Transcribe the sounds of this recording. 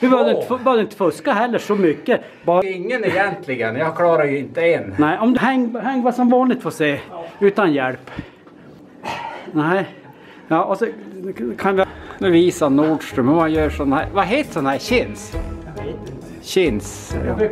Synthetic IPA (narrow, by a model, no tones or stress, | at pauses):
ʋɪbøːd̪ɛɪnəfbœːd̪ɛɪnt̪ə̥fɵskaɦɛlːəʂɔmʏkːə | bɑːɪŋːənɛjɛnt̪ʰlɪɡənjɑɡkʰlɑːɾaɾjʉɪnt̪əennæɪʔɔmd̪ʉɦɛŋːɦɛŋːvasɔmvɑːnlɪɡ̚t̪fɔseːʉːt̪anjɛlpː | næɪ | jɑːʔalsɔkʰanʋɪnɛviːsanuːɖʂʈɾʉmhɔmanjœːʂɔnːhæ̰ːɾvɑɦeːt̪əsɔnhæːɾɕɪns | ɕɪns